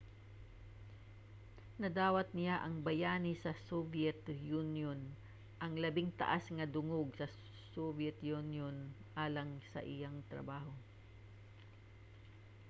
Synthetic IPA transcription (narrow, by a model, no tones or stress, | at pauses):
nɐd̪aːwɐt̪̚nɪjaʔɐŋbɐjaːnɪsɐsobjɛt̪junjon | ʔɐŋlɐbɪŋt̪ɐ̰ʔasŋɐd̪ʊŋoɡ̚sɐ | sobjɛt̪junjonʔaːlɐŋsɐ̰ʔɪjaŋt̪ɾɐ̰baːho̞